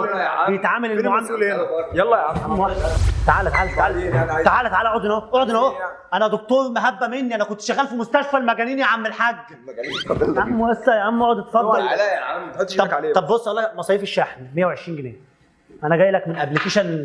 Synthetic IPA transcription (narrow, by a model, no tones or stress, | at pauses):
bejet̪ʕaːmælelmoʕamːjlˤːɑmːæt̪aʕaːlæt̪aʕaːlæt̪aalt̪aʕaːlæt̪aʕaːlæʔod̪enhoʔoʕod̪enhoʔænæd̪ok̚t̪oːɾˤmæɦæbːæmenːiʔænækont̪ʃt̪æɣːæːlfimost̪æʃfælmæɡæniːniʕamːelħaɡ̪ː | æmːoæsːæjʔæmːʔoʕod̪t̪fɑd̪ːɑl | ɑb̪ˤɑbbosˤːʔælːæmɑsˤɑjefeʃːæħmimejːæwʕeʃɾiːnɡenḛː | ʔænæɡæːjlækmenʔæblikeʃæn